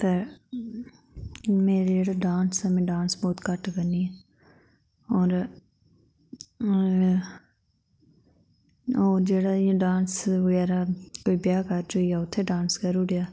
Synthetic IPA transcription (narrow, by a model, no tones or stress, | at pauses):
t̪eː | meːɾid͡ʒeːɽaɖaːnsɛmɛ̃ːɖãːnsbɔːt̪kəʈkəniɛ | ɔːɾ | oːɾd͡ʒeːɽãɖãːnsʋəɡɛːɾaːkoːiːbjaːkəɾd͡ʒoijaːʊt̪ʰːeːɖãːnskəɾuːɽjaː